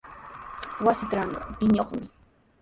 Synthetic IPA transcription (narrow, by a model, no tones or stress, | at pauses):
wasɪt̪ɾɑɴɢɑpɪɲoχmɪ